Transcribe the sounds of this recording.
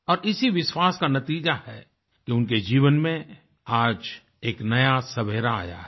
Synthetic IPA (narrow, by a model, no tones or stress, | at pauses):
ɔːɾɪsiʋɪʃwaːskanɐt̪iːd͡ʒahɛ | kiʊnked͡ʒiːʋənmẽ | aːd͡ʒ | eːknɐjasɐbʱeːɾaa̰ːja̰ɦɛ